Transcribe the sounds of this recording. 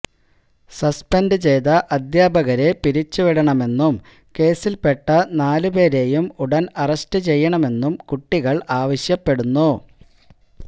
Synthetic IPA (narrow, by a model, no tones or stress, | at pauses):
sɐspendɨt͡ɕe̞jt̪ɐʔɐd̪jaːbʱɐɣɐɾe̞piɾit͡ɕːuʋiɽɐɳɐme̞nːum | ke̞ːsilpe̞ʈːɐnaːlɨpe̞ːɾe̞jumuɽɐnɐrɐstɨt͡ɕe̞jːɐɳɐme̞nːumkuʈːiɣɐɭaːʋɐɕjɐpːe̞ɽunːu